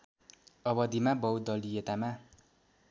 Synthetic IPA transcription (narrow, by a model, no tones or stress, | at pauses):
ʌbʌd̪imabʌwd̪ʌlijet̪ama